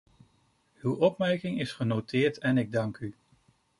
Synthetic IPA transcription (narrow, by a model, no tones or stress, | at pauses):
ywɔpmɛɹkɪŋɪsχənowtɪːɹtɛnɪɡ̚dɑŋky